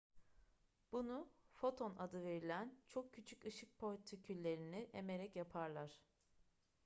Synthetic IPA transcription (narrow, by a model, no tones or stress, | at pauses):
b̥unufo̞t̪ʰo̞nad̪ɯve̞ɾilʲænt͡ʃʰo̞k̚cʰːyt͡ʃʰykɯʃɯk̚pʰo̞ɾʲt̪ʰicʰylʲːe̞ɾiniʔeme̞ɾɛcjapʰaɾlˠaɾ̥